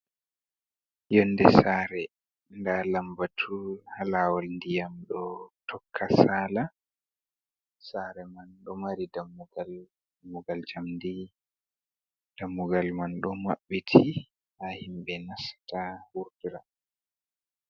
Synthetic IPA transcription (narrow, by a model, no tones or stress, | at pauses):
jɔndɛsaɾɛ | ndalambatʰuhalawalndijamɗɔtʰɔkʰːasaːla | saɾɛmanɗɔmaɾidamːuɡal | muɡald͡ʒamdi | d̥amːuɡalmanɗɔmaɓːitʰi | hahimɓɛnasḁtawuɾtiɾa